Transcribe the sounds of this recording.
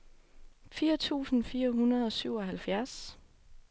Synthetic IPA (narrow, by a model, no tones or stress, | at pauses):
fiːɐt͡sʰṵːsn̩fiːɐɦunɐð̞̩ˠɒ̽syʊ̰ɒ̽ɦælfjæɐs